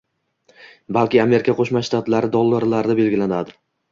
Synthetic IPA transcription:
balkʲɪame̞ɾɪkʰʲaqʰoʃmaʃːt̪at̪laɾɪd̪ɒlˠːaɾlaɾɪd̪abe̞lɡʲɪlanad̪ɪ

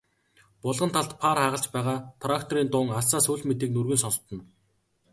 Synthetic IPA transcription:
pʊɮʁə̆nt̪ʰaɮt̪pʰaːrχaːʁə̆ɬt͡ɕpæːʁaːt̪ʰrakt̪ʰɔɾiːnt̪ʊːŋasaːsuːɮmet̪iːknɵrɣɘ̆nsɔnst̪ɞ̆n

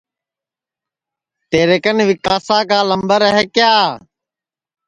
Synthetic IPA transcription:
t̪eːɾeːkənʋɪkaːsãːkaːləmbəɾəɦeːkjaː

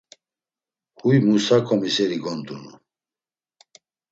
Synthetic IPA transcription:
hujmusakʰʼɔmisɛɾiɡɔnt̪ʼunu

